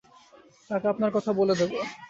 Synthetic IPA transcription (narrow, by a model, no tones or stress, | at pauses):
t̪akeapnaɾkɔt̪ʰaboled̪ebo